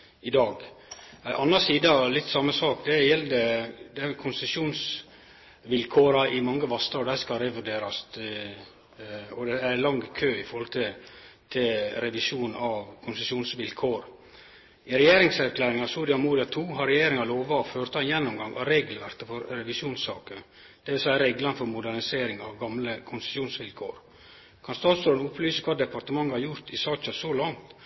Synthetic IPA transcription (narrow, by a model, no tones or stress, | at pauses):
ɪd̪ɑːɡ | æʔɑnːɑsiːd̪əɑlɪt̪ːsɑmːəsɑːkd̪ɛjɛld̪əd̪ɛkʰʊnsɛsuːns | ʋɪlkʰoːɾɑʔɪmɑŋːəʋɑst̪ɾɑɔd̪æskɑɾɛʋʉɖeːɾɑst̪ | ɔd̪ɛæɾlɑŋkʰøːɪfɔɾhɔlt̪ʰɪlt̪ʰɪlɾɛʋɪʂuːnɑʋkʰʊnsəsuːnsʋɪlkʰoːɾ | ɪɾɛjeːɾɪŋsæɾkʰlæːɾɪŋɑsuɾɪɑmuːɾɪɑt̪ʰuːɦɑɾɛjeːɾɪŋɑɾloːʋɑɔføːɾt̪ɑnjɛnːʊmɡɑŋʔɑ̰ɾeːɡlʋæɾt̪əfɔɾɾɛʋɪsuːnsɑːkən | d̪̥ɛʋɪlsæɪəɾeːɡlɑnəfɔɾmʊd̪æɾnɪseːɾɪŋɑʋɡɑmləkʰʊnsə̥suːnsʋɪlkʰo̰ːɾ | kʰɑnst̪ɑːsɔnʊpʰlyːsəkʰʋɑːd̪ɛpɑɾt̪əmɑŋːəhɑɾjʊɾt̪ɪsɑːt͡ʃɑsɔlɑŋt̪